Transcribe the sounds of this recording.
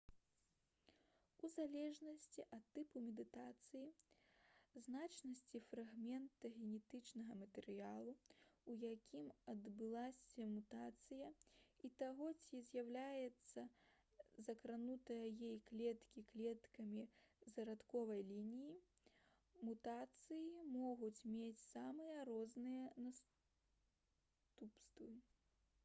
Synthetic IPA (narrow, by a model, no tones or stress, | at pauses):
uzalʲɛʐnɐsʲt͡sʲiʔɐt̪ːɨpumʲɛd̪ɨt̪at̪sɨji | znat͡ʂnɐsʲt͡sʲifɾaɣmʲɛnt̪ɐɣʲɛnʲɛt̪ɨt͡ʂnɐɣɐmɐt̪ɛɾɨjalˠuujakʲimɐd̪bɨlˠasʲɐmut̪at̪sɨjɐit̪aɣɔt͡sʲizʲjawlʲajɛt̪sːɐ | zɐkɾanut̪ɐjɐjɛjklʲɛt̪kʲiklʲɛt̪kɐmʲizɐɾat̪kɔvɐjlʲinʲiji | mut̪at̪sɨjimɔɣut͡sʲmʲet͡sʲsamɨjɐɾɔznɨjɐnas | t̪upst̪vɨ